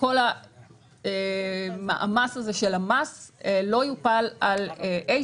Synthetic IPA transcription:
ko̞la | ema̰ʔa̰masazeʃelamaselo̞jupalaleʔe

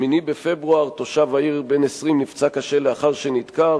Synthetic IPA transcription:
minibefe̞bʁuaʁt̪o̞ʃavaiʁbenesʁimnift͡sakaʃe̞leaχaʁʃenid̪ka

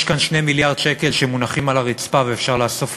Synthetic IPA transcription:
ʃkanʃne̞jmiljaʁd̥̪ʃeke̞lʃemunaχimalaʁit͡spaveefʃaʁlaːso̞f

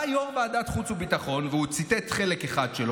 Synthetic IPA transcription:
ajomvaːd̪at̪χut͡subitaχo̞nveut͡sit̪et̪χelekeχadʃelo

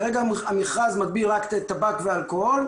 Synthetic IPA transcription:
ʁeɡaamiχʁazmad̚bilʁaktet̪abakvealkohol

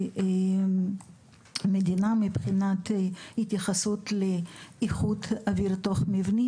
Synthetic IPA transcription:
med̪inamibχinat̪it̪jaχasut̪leiχud̪aviɾt̪oχmivni

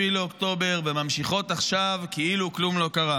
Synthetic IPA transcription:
ileokt̪o̞be̞ʁvemamʃiχo̞t̪aχʃavkeʔiluklumlo̞kaʁa

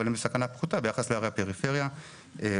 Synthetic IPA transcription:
alimlesakanapχut̪abejaχasleaʁehape̞ʁife̞ʁja | e

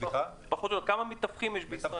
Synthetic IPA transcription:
paxot̪jookamamit̪ːafχimjeʃbi

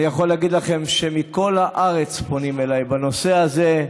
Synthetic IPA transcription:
ijaχo̞lːeaɡid̪laχe̞mʃe̞miko̞lhaʔaʁe̞t͡spo̞nime̞lajbano̞se̞aze

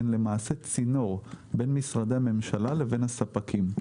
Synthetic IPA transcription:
nle̞maːset͡sino̞ʁbe̞nmisʁad̪ehame̞mʃalale̞ve̞nhasapakʰim

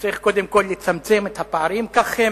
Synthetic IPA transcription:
t͡saʁiχko̞d̪emko̞lːet͡samt͡semet̪hapaaʁimkaχhe

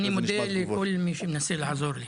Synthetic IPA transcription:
nimʊd̪elikʊlːmiʃimnasilʕazuːɾli

